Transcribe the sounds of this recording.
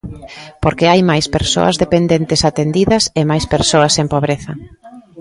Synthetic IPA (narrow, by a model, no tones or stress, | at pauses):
poɾkeajmajspeɾso̰ɐ̰zðepend̪ent̪ɪsat̪end̪iðɐsemajspeɾsoɐsempoβɾeθɐ